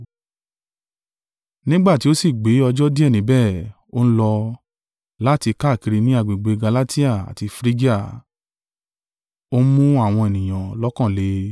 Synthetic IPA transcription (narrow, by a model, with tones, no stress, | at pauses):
nĩ˦ɡ͡ba˦˨ti˨˦o˦si˦˨ɡ͡be˨˦ɔ˧d͡ʒɔ˦di˦ɛ˦˨nĩ˨˦bɛ˦˨ | o˦ñ̩˦lɔ˧ | la˦˨ti˧ka˦˨ki˧ɾi˧nĩ˦a˦˨ɡ͡be˨ɡ͡be˧ɡa˧la˦ti˦a˦˨a̰˨ti˧fɾi˦ɡi˦a˦˨ | o˦mũ˦a˦˨w̃ɔ̃˧e˨nĩ˨j̃ã˨lɔ˦kã˦˨le˧˦